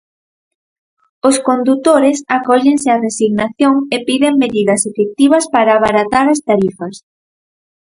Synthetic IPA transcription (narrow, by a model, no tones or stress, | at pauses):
ʊskond̪ut̪oɾesakɔʎeŋsearesiɣnaθjoŋepiðeŋmeðiðɐsefek̚t̪iβ̞ɐspaɾaːβaɾat̪aɾɐst̪aɾifɐs